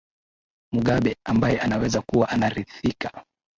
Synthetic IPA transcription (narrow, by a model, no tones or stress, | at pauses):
muɠaɓɛambajɛʔanawɛzakuwaʔanaɾiθikḁ